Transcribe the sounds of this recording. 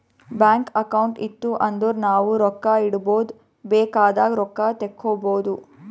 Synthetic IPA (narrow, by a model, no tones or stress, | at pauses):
baːŋkɐkɐwɳʈit̪ːuʔɐnd̪uɾnaːʋuɾɔkːaiɽuboːd̪ | bɛːkaːd̪aːɡɾɔkːaːt̪ekʰːoːboːd̪u